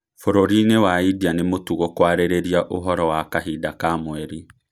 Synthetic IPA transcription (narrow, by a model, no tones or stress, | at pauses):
foɾoɾinewaidianemotuɣokwaɾeɾeɾiaʔoɦɔɾɔwakaɦidakamwɛɾi